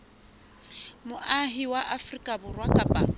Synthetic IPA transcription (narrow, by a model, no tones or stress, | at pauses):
mʊʔaɦiwaʔafrikʼabʊrwakʼapʼa